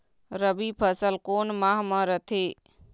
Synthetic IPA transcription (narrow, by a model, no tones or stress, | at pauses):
ɾəbipʰəsəlkoːnmaɦmə̃ɾət̪ʰe